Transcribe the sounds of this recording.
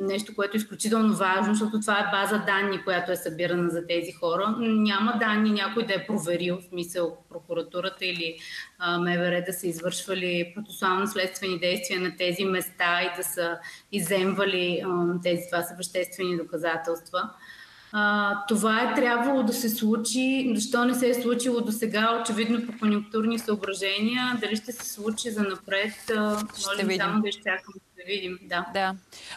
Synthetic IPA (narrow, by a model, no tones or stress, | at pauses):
nɛʃt̪okoɛt̪oisklʲut͡ʃit̪ɛlˠnovaʒnos̬t̪ɔt̪ot̪ovaɛbazəd̪anːikojat̪oɛsɐbiɾənəzɐt̪ɛzixɔɾənʲaməd̪anːinʲakojd̪ɐɛpɾovɛɾilˠsmisəlˠpɾokuɾɐt̪uɾət̪əili | mɛvɛɾɛd̪ɐsəizvɤɾʃvəlipɾot̪sɛ̥sualˠnoslɛt̪st̪vɛnid̪ɛjst̪viɛnɐt̪ɛzimɛst̪aid̪ɐsəizɛmvəlit̪ɛzit̪vasəvɐʃt̪ɛst̪vɛnid̪okɐzat̪ɛlˠst̪və | t̪ovaɛt̪ɾʲabvəlˠod̪ɐsɛslˠut͡ʃizɐʃt̪ɔnɛsɛslˠut͡ʃilˠod̪osɛɡaot͡ʃɛvid̪nopokonjuŋk̚t̪uɾnisəobɾɐʒɛniəd̪ɐliʃt̪ɛsɛ̥slˠut͡ʃizɐnɐpɾɛt̪əmɔʒɛsamob̪ɛʃt͡ʃakənd̪d̪ɐvid̪imd̪ad̪